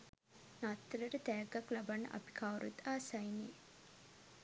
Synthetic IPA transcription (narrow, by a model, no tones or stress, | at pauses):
nat̪ːɾɐʈət̪ɛːɡːaklabanːɐ̰ʔɐ̰pi̥kʰawɾut̪aːsɐjniː